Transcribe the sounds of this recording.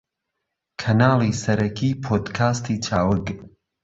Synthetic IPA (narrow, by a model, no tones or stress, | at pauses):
kʰɐnaːlˠisɐɾɐkʰiːpʰoːd̪kʰaːst̪ʰiːt͡ʃʰaːwɨɡ